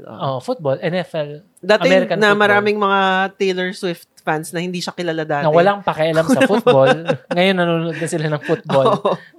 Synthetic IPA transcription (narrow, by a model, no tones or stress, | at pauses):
o̰ʔo̰ʔofut̪̚bolʔɛnɛfɛl | d̪aːtɐɪmɛɾɪkɐnɐmɐɾaːmɪŋmɐŋat̪ɛjlɛɹswɪft̪̚fansnɐhɪnd̪iːʃakɪlalad̪aːnɐwɐlaŋpɐkɛʔɐlamsɐfut̪̚bolŋɐjonːɐnuːnʊʔod̪nɐsɪlanɐŋfuboʔo